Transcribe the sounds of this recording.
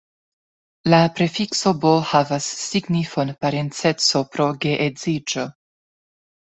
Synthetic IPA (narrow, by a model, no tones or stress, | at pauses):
lapɾe̞fiksobohavasːiɡnifonpaɾent͡set͡so̞pɾo̞ɡeʔezid͡ʒo